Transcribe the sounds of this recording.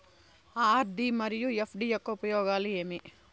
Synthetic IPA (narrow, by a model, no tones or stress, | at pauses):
aːɾd̪imɐɾjujepʰɖijɐkːoupɐjoːɡaːlieːmi